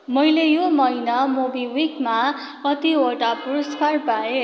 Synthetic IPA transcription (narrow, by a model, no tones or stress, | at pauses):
mʌjlejomʌjnamobiwikma | ʌt̪ioʈapuɾʌskarpae